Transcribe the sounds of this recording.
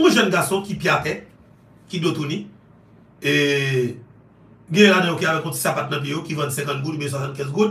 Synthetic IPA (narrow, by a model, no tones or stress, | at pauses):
õʒɛnɡasɔ̃kipjiatɛ | kidot̪unĩ | e | ɡɛ̃jɛ̃ladɛ̃jokiavɛkɔ̃ti̥sapat̪̚nɐ̃p̬jejokivɐ̃nsɛ̃kɐ̃t̪̚ɡudbjɛ̃swasɑ̃ntkɛ̃zɡud